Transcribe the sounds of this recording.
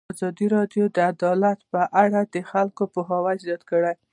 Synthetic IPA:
azɑd̪iɾɑdjod̪əad̪ɑlat̪pəʔaɽad̪əxalkopoɦɑwazjɑt̪kəɽaj

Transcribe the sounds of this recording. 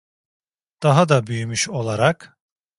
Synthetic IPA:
d̪̥aɦad̪abyjymyʃo̞lˠaɾak

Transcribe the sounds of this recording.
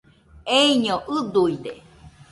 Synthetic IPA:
eiɲoʔɯd̪uid̪ḛ

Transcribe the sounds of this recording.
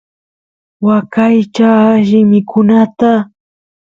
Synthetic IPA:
wakajt͡ʃaʃɪmɪkʰʊnat̪a

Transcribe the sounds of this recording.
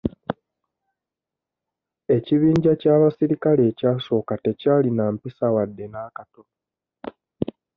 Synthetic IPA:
e̞ciβiːɲɟacaːβasiɾikale̞ːcaːso̞ːkate̞caːlinaːmpisawadːe̞naːkato̞no

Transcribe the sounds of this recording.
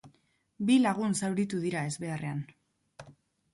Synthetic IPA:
bilaɣ̞unsawɾit̪uðiɾae̞zβe̞arʔe̞an

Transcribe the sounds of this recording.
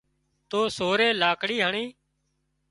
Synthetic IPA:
t̪oːsoːɾeːlaːkɽiːɦəɳiː

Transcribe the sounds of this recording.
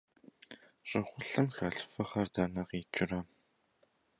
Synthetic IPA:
ɕʼɪχʷʊɬɨmxɐɬfɐχɐrdɐːnɐqiːt͡ʃʼɪrɐ

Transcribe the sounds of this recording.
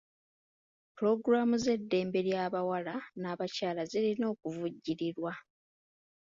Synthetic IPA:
puɾo̞ɡɾamuze̞dːe̞ːmbe̞ɾjaːβawalanaːβacaːlazilino̞ːkuvuɟːiɾiɾwa

